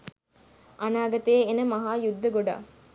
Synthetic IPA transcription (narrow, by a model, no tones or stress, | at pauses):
ʔɐnaːɡɐt̪eːnɐmɐɦaːjud̪ʱːɐɡoɖa̰ː